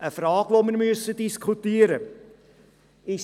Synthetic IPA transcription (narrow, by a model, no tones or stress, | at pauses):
ʔəfrɑːɡ̥ʋoməɾmyəsədiskʰutiəɾə | ɪʃ